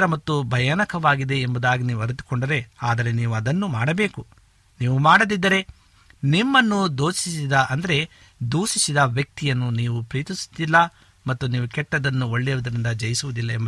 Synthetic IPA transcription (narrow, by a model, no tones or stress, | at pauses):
ɾɐmɐt̪ːubʱɐjanɐkɐʋaːɡid̪e̞ːmbud̪aːɡiniːʋuɐɾit̪u̥koɳɖɐɾe̞aːd̪ɐɾe̞niːʋuɐd̪ɐnːumaːɽɐbe̞ːku | niːʋumaːɽɐd̪id̪ːɐɾe̞ | nimːɐnːud̪oːsisid̪ɐʔɐnd̪ɐɾe̞ | d̪uːsisid̪ɐʋjɐk̚t̪ijɐnːuniːʋupɾiːt̪isu̥d̪ilːɐ | mɐt̪ːuniːʋukɛʈːɐd̪ɐnːuo̞ɭːɛjʋɐd̪ɐɾind̪ɐd͡ʒɐjisuʋud̪ilːɐembɐ